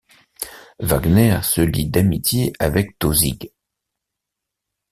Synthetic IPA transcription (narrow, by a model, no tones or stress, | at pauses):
vaɡnɛʁsəlid̪amit̪jeʔavɛk̚t̪ozḭɡ